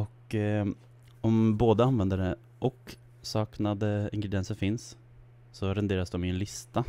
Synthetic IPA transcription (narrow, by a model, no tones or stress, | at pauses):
ɔk | ɔmboːd̪əanʋɛnd̪əɖɛ | ʔɔk | sɑːknad̪əɪŋɡɾɛd̪ɪɛnsəɾfɪns | sɔɾɛnd̪eːɾasd̪ɔmːnlɪst̪a